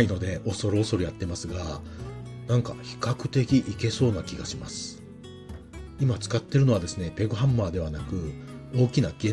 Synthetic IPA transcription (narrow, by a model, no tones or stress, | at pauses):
ino̞d̪e̞ʔo̞so̞ɾoːso̞ɾɯjat̪ːe̞masɨɡa | nãŋka̰çi̥kakɯ̟̥t̪e̞kʲiʔike̞so̞ːnakʲiɡaɕima̰sɨ̥ | imat͡sɨ̥kat̪ːe̞ɾɯ̟no̞βad̪e̞sɨne̞pe̞ɡoɦãmːaːd̪e̞βanakɯ̟ | o̞ːkʲinaɡẽ